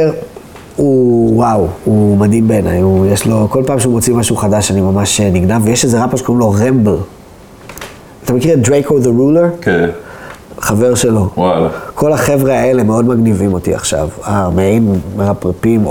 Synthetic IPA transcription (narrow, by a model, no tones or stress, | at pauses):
uwawumadimbeːna̰jujeʃlo̞ko̞lpaːmʃeumo̞t͡simaʃuχadaʃanimamaʃniɡnavːejeʃezeʁapʃekoʁimlo̞ʁembl | atamekiʁet̚dʁejkoðeʁuleʁke | χave̞ʁʃe̞lo̞wakʰo̞laχe̞vʁeae̞leme̞o̞dmaɡnivimo̞tḭa̰χʃa̰vameaimʁapʁapim